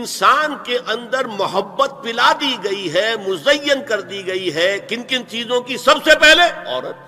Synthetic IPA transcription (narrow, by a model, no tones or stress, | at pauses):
ɪnsaːnkeʔɐ̃nd̪əɾmʊɦəbːət̪̚pɪlad̪iɡɐiɦɛmʊzəjːənkɐɾd̪iɡɐiɦɛːkɪnkɪnt͡ʃiːzõkisɐbsepɛɦleɔ̰ːɾət̪